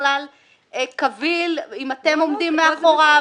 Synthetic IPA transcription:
lal | ekavilimat̪e̞mo̞md̪imːeaχoʁa

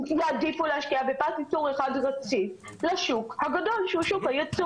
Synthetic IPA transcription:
jaadifuleaʃkiavepatit͡soʁeχadʁat͡si | laʃukhaɡado̞lʃuʃukajat͡su

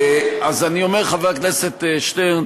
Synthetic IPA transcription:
azanio̞meʁχaveakneset̪eʃteʁ

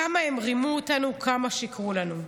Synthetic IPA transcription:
amaemʁimuotanukʰamaʃikʁulanu

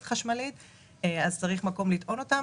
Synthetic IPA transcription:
tχaʃmalit̪ | eazt͡saʁiχmako̞mlit̪ʔo̞no̞ta

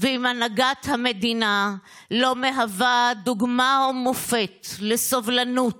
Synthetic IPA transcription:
veimanaɡat̪hame̞d̪ina | lo̞me̞ɦavad̪uɡmaomofet̪lesovlanut

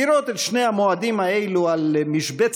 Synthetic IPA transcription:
iɾot̪et̪ʃne̞jamoad̪imaejlualmiʃbet͡s

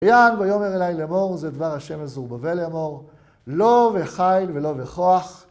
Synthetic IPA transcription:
janbajo̞meʁelajlemo̞ʁzed̪vaʁhaʃe̞mazuʁbave̞lemo̞ʁ | lo̞veχajlvelo̞veχo̞aχ

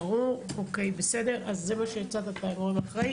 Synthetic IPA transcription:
ʁuokejbesede̞ʁazːemaʃejat͡sat̪at̪anuamaχʁej

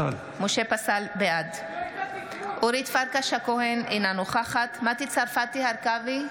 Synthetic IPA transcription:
moʃepasalbead̪ | ʔuɾit̪faɾkaʃhakoɦenʔinanuχaχat̪mat̪it͡saɾfat̪ihaɾkavi

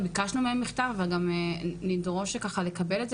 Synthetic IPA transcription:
bikaʃnumeemːiχtaʁvalɡamenidʁo̞ʃekaχale̞kabe̞lez

